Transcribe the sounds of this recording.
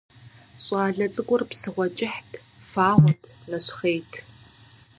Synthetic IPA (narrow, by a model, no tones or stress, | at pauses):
ɕʼaːɮɐt͡sʼɨkʷʼʊrpsɨʁʷɔt͡ʃʼɪħtʰ | faːʁʷʊtʰlɐɕχejtʰ